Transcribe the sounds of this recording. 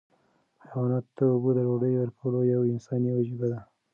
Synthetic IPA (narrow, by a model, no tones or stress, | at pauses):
xawɑnat̪d̪əʊbud̪əɾoɖəjwaɾpʰulojawɪnsɑniwad͡ʒibad̪a